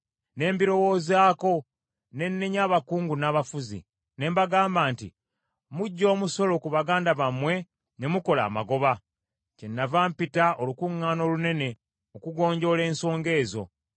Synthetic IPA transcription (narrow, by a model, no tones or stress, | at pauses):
ne̞ːmbiɾo̞wo̞ːzaːko̞ | ne̞nːeɲaːβakuːŋɡunaːβafuzḭ | ne̞ːmbaɡaːmbaːntḭ | muɟːo̞ːmuso̞lo̞kuβaɡaːndaβamwe̞ | ne̞muko̞la̰ːma̰ɡo̞βa | cenːavaːmpitaʔo̞lukuŋːaːno̞ːlune̞ne̞ | okuɡo̞ːɲɟo̞le̞ːnso̞ːŋɡe̞ːzo̞̰